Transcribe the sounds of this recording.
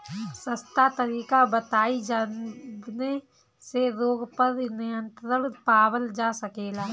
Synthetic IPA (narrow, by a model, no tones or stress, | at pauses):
səst̪at̪əɾiːkabət̪aːid͡ʒaːbne | seɾoːɡpəɾnɪjə̃nt̪ɾəɽpaːwəld͡ʒaːsəkeːlaː